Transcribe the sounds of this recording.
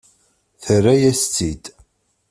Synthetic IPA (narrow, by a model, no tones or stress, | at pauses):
θərːæjæst͡s̪id̪